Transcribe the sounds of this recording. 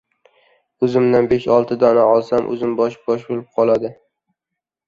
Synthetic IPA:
ɵzɪmd̪anbeʃɒlˠt̪ʰɪd̪ɒnaɒlˠsamʔɵ̰zɪmbɒʃbɒʃbolˠɪp̚qʰɒlˠad̪ɪ

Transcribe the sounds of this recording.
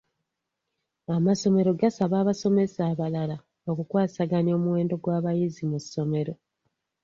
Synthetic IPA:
amaso̞me̞ɾo̞ɡasaβaːβaso̞me̞saːβalala | o̞kukwaːsaɡanio̞ːmuwe̞ːndo̞ɡwaːβajizimusːo̞me̞ɾo̞

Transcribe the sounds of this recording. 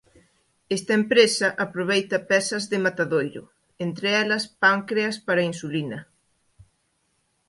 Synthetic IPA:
est̪ɐempɾesɐʔapɾoβ̞ejt̪ɐpɛsɐzðɪmat̪aðojɾʊ̰ | ent̪ɾeɛlɐspaŋkɾeɐspaɾɐinsulinɐ

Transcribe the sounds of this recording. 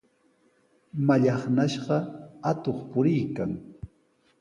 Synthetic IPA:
maʎɑχnaʃɢɑat̪oχpʊɾɪjkaŋ

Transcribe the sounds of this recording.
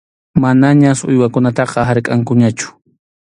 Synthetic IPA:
manaɲasʊ̰jwakʊnat̪ɑqɑɦaɾkʼaŋkʊɲat͡ʃʊ̥

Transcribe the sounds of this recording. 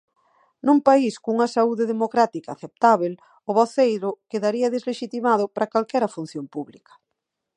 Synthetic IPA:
nũmpaiskuŋɐsauðeðemokɾat̪ikaːθep̚t̪aβel | ʊβɔθejɾʊkeðaɾiɐðezleʃit̪imað̞ʊpɾʔakalkɛɾɐfun̟θjompuβlikɐ̥

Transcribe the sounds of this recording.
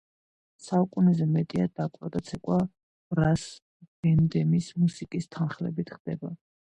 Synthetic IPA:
saukʼunɛzɛmɛt̪ʼiad̪akʼwad̪at̪sʰɛkʼwa | ɾas | b̥ɛnd̪ɛmismusikʼist̪ʰanχlɛ̰bit̪ʰχd̪ɛba

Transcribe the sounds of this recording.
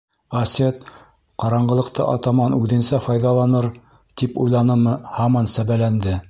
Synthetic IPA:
ɐsʲet̪ | qɑɾɑɴɢɤ̆lˠɤ̆qt̪ɤ̰ʔɑ̰t̪ɑmɑnʉðɘ̆nsæfɑjðɑlˠɑnɤɾ | t̪ipujlˠɑnɤmɤhɑmɑnsæβælænd̪ɘ

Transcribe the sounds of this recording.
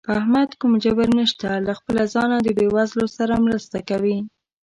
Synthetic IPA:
ahmad̪kumd͡ʒabəɾnəʃt̪alaxpəlazɑnad̪əbewazlosaɾamɾəst̪akawi

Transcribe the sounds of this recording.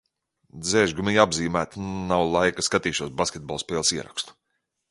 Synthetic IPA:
d̪zɛːʒɡumijabziːmæːt̪nawlˠajkaskat̪iːʃuɔsbaskʲet̪̚bɔlˠspɛːlˠsiɛɾa̰kst̪u̥

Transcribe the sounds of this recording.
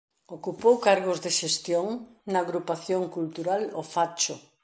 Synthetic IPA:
okupowkaɾɣ̞ʊzðeʃest̪joŋnɐːɣɾupaθjoŋkult̪uɾalofat͡ʃʊ

